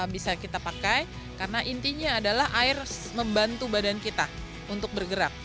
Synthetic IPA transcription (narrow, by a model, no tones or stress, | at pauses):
bisakit̪apakaj | karənaʔint̪iɲaːdalahʔaɪrməmbant̪ubadankit̪a | unt̪ʊk̚bərɡəɾap̚